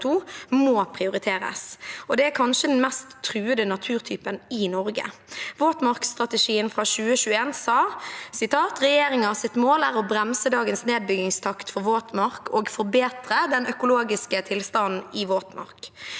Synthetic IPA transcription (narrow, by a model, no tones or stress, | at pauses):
t̪ʰuːmoːpʰʁɪʊɾɪt̪ʰeːɾə̰sɔd̪ɛæɾkʰɑnʃəd̪ɛnmɛst̪ʰːɾʉːəd̪ənɑt̪ʰʉːɾt̪ʰyːpənɪnɔɾɡə̰ʋoːt̪mɑʁkst̪ʁɑt̪əʂiːənfɾɑʃʉːəʃʉːeːnsɑːsɪt̪ʰɑːt̪ʁɛjeːɾɪŋɑsɪt̪moːlæːɾɔbɾɛmsəd̪ɑːɡənsneːd̪̚bʏɡɪŋst̪ʰɑkt̪fɔɾʋoːt̪mɑɾkoːɡfɔɾbeːt̪ʁəd̪ɛnœkʊloːɡɪskət̪ʰɪlst̪ɑnn̩ɪʋoːt̪mɑ̰ʁk